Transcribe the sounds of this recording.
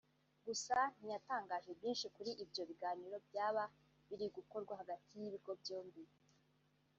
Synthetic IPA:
ɡusan̥ijataːŋɡaːʒebjiːnʃikuɾiʔibjo̞βiɡaːniɾo̞bjaːβa | βiɾiɡuko̞ɾɡwaɦaɡatʰijiβiɡo̞bjoːmbi

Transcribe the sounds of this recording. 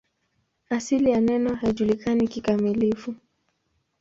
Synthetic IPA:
asilijanɛnɔhaiʄulikanikikamilifu

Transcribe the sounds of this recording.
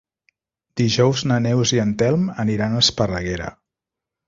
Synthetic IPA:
d̪̥iʒɔwznənɛwziənt̪ɛlˠməniɾanəspərəɣeɾə̰

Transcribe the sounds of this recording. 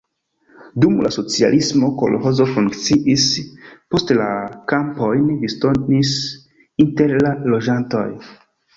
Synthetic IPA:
dumla̰so̞t͡sia̰lʔismo̞ko̞̰lo̰ɦo̞zo̞fuŋkt͡siʔispo̞stlakampo̞jnvisto̞nis | inte̞ɾlalo̞d͡ʒanto̞̰j

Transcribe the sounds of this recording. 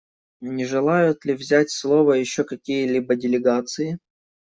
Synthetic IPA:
nʲɪʐɨlˠajʊt̪lʲɪvzʲætʲslˠovəjɪɕːokɐkʲijəlʲibədʲɪlʲɪɡat̪sɨjɪ

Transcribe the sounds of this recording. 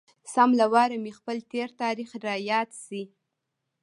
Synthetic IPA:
samlawɑɾamixpəlt̪eɾt̪ɑɾixɾɑjɑd̪si

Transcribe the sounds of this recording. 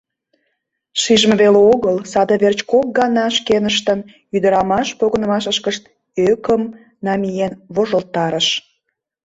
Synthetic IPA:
ʃiʒmə̆βeleoɣəlsɑd̪əβert͡ɕkok̚ɡɑnɑʃkenəʃt̪ən | yd̪əɾɑmɑʃpoɣənə̆mɑʃəʃkəʃt̪ | økəm | nɑmijenβoʒəlt̪ːɑɾəʃ

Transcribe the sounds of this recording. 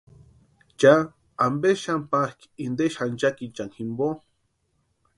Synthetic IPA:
t͡ʃa | ambeʃampahk | ind̪eʃant͡ʃakit͡ʃaŋximbo

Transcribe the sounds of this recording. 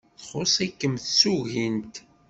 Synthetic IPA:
θχosˤækːəmθsuʝint̪

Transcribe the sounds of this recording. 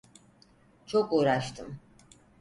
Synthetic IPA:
t͡ʃʰɔkʼɔɾaʃt̪ʰə̰m

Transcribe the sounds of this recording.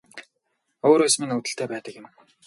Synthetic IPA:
oːɾoːsmiŋɵt̪ɘ̆ɬt̪ʰeːpæːt̪ə̆kjɪ̆m

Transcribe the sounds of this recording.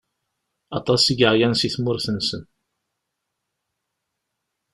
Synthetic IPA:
ɑt̪ˤɑsiʝəʕjænsiθmʊɾθənsən

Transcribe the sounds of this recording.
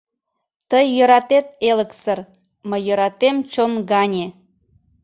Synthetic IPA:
t̪əjːøɾɑt̪et̪̚eləksər | məjøɾɑt̪emt͡ɕonɡɑnʲe

